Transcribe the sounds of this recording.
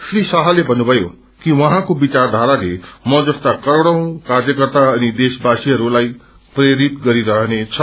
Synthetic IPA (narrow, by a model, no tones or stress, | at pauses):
ʃɾiːsaɦalebɐnubɐjo | kiʋɐɦãkobit͡ɕaːɾd̪ʱaːɾad͡ʑemɔ̃d͡ʒɐst̪akɐɾɽ̃əũkaːɾjəkəɾt̪aɛ̃ĩd̪eːʃbaːʃijəɾulaːi | pɾeɾit̪ɡɐɾiɾɐɦñet͡ɕʰɐ